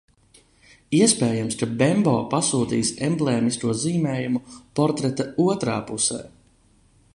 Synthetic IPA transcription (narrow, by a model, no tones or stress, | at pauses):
iɛspɛːjamskabɛmbɔːpasuːt̪ḭːsɛmblˠeːmisk̪uɔziːmɛːjumupɔɾt̪ɾɛt̪auɔt̪ɾa̰ːpusɛ̰ː